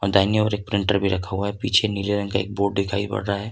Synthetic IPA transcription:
ɔːɾd̪aːnijõpɐɾeːk̚pɾɪ̃ɳʈəɾbʱiɾɐkʰaɦuaɦɛpiːt͡ʃʰeniːleɾə̃ŋkaḛːk̚boːɖd̪ɪkʰaːipɐ̰ɽɾaaɦɛː

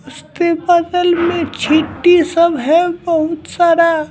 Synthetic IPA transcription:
ʊst̪epəd̪əlmẽt͡ʃʰiʈːisəbɦɛbəɦʊt̪saːɾa

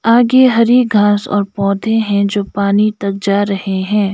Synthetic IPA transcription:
aːɡeɦɐɾiɡʱãːsɔ̰ːɾpɔːd̪ʱẽɦɛ̃d͡ʒoːpaːnit̪ɐk̚d͡ʒaːɾɐheɦɛ̃ː

